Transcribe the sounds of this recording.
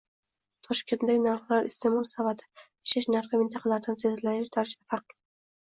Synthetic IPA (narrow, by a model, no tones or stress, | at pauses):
t̪ʰɒʃkʲend̪aɡʲɪnaɾχlˠaɾɪ̰st̪emɒlˠsavat̪ʰɪ̥ | ɪʃɪʃnaɾχɨmɪnt̪ʰɑqʰɑlaɾd̪ansezlanɪʃt̪ʰaɾɪʃafaɾq̚